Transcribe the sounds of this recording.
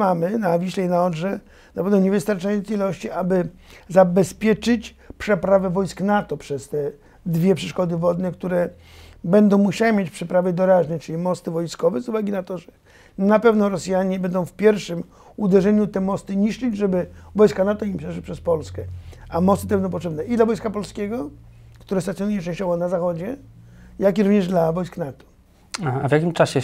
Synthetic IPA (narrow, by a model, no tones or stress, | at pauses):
amɘnavʲiɕlɛinaɔdʐɛ | napɛvnɔɲɛvɘst̪aɾt͡ʂajɔnt̪sɛilɔɕt͡ɕiʔabɘ | zabɛspʲjɛt͡ʂɘt͡ɕ | pʂɛpɾavɛvɔjsknat̪ɔpʂɛst̪ɛ | d̪vʲjɛpʂɛʂkɔd̪ɘvɔd̪nɛkt̪uɾɛ | bɛnd̪ɔ̃w̃muɕawɛmʲjet͡ɕpʂɛpɾavɛd̪ɔɾaʐnɛt͡ʂɘlʲimɔst̪ɘvɔjskɔvɛzuvaɡʲinat̪ɔʐɛ | napɛvnɔɾɔsjaɲɛbɛnd̪ɔ̃w̃fpʲjɛɾfʂɘm | ud̪ɛʐɛɲut̪ɛmɔst̪ɘɲiʂt͡ʂɘd͡ʑʐɛbɘvɔjskanat̪ɔimpʂɛʂwɘpʂɛspɔlskɛamɔst̪ɨt̪ɛbɛnd̪ɔ̃pɔtʂɛbnɛʔid̪lavɔjskapɔlskʲeɡɔkt̪uɾɛst̪at̪sʲjɔnujɛt͡ʂɛ̃ɕt͡ɕɔvɔnazaxɔd͡ʑɛjak̬ʲiɾuvɲɛʐd̪lavɔjsknat̪ɔ̥ | aavjakʲimt͡ʂaɕɛ